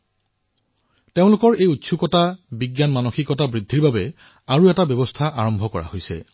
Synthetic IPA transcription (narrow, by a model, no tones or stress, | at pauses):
teʊ̃lʊkɔɹejutːsʰukɔtabiɡjanmanoxikɔtabɹidʱːiɹbabɛ | aɹuɛtabjɔbɔstʰaʔaɹɔmbʱɔkɔɹa̰hojsɛ̰